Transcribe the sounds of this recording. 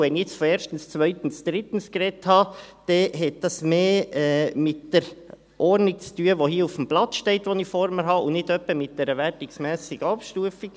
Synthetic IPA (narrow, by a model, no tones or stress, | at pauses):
ʋɛnɛt͡sfɔɛːɾʃtn̩st͡svœʏtən̩sd̥ɾɪtən̩skɾɛthɑːd̥ɛɦɛt̚d̥ɑsmeːmɪt̚d̥əɾ | ʔɔɾnɪk̚t͡styːəʋohiːufm̩b̥lɑt͡sʃteɪtʋonifɔɾməɾɦɑːʊnɪdœpːəmɪt̚d̥ɛɾəvæɾtɪksmɛːsɪɡ̥əɑpʃtuəfɪk